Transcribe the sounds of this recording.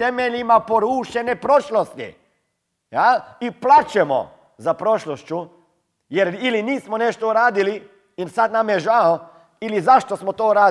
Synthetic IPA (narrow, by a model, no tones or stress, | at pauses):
t̪emeʎimapoɾuːʃenepɾoʃlost̪ḭ | jaiplaːt͡ʃɛmo̰ | zapɾoʃloʃt͡ʃu | jeɾiliniːsmoneʃt̪ouɾaːd̪ili | insat̪namjɛʒao | ilizaʃt̪osmot̪oːuɾaː